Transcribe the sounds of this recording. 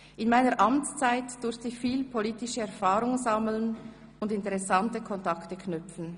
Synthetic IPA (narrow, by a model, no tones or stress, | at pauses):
ʔɪnmaɪnəʁʔɑmt͡st͡saɪtd̥ʊɾftɪçfiːlpʰoliːtɪʃəɛʁfaːɾʊŋzɑml̩n | ʊndɪntɛʁɛsantəkʰɔntɑktəkʰnʏfn̩